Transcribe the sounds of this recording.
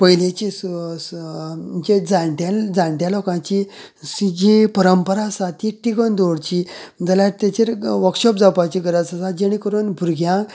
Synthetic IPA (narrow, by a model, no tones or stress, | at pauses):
pəjlet͡ɕiss | t͡ɕed͡zãɳʈald͡zãɳʈjalɔkãt͡ɕi | sid͡ʑipəɾəmpəɾasat̪iʈːiɡənd̪oɽt͡ɕid͡zəlaɾt̪et͡ɕeɾʋəkɕɔp̚d͡zawpat͡ɕiɡəɾat͡səsad͡ʑeɽ̃ikəɾunbʱuɾɡʱjã